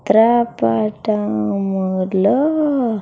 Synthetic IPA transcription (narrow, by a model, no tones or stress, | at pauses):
t̪ɾapaʈamələ